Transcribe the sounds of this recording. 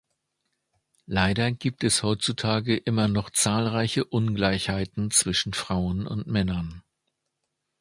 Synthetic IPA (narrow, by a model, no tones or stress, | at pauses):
laɪɾɐɡ̥iːp̚tɛshɔʏtt͡sutʰaːɡəʔɪmɐnɔχt͡saːlʁaɪçəʔʊnɡlaɪçhaɪtn̩t͡sv̥ɪʃn̩fʁ̥aʊənʊ̰ntmɛnɐn